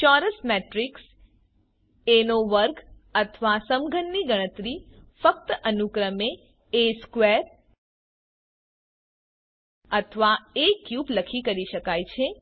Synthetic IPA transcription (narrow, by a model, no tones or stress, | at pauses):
t͡ʃɔɾəsmeʈɾiks | enoʋəɾɡ | ət̪ʰʋasəmɡʱənːiɡəɽ̃ət̪ɾifək̚t̪əʔənukɾəme | eskʋeɾ | ət̪ʰəʋaekjubləkʰikəɾiʃəkajt͡ʃʰe